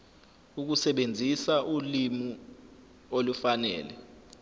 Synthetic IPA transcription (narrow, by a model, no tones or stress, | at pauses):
uk̬usɛɓend͡zʱisaʔulimu | olufanɛ̰ːlɛ̰